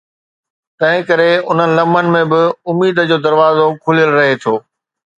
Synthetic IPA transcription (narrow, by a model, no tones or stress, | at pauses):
t̪ɐ̃ɦɪ̃kɐɾeʊn̤ənɪ̆lɐmənɪ̆mẽbɪʊmiːd̪d͡ʑoːd̪ɐɾʋaːzokʰʊlijəlɾɐɦet̪ʰoː